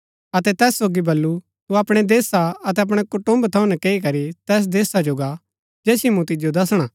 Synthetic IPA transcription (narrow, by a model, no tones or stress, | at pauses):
ɐt̪ɛt̪ɛːsːoːɡibɐlːu | t̪uɐpɽ̃ɛd̪eːsaɐt̪ɛɐp̬ɽ̃ɛkʊʈʊ̃mbt̪ʰɐũnɛkeːikɐɾit̪ɛːs̬d̪eːsad͡ʒoːɡa | d͡ʒɛːsimũt̪ɪd͡ʒjod̪ɐsɽ̃aː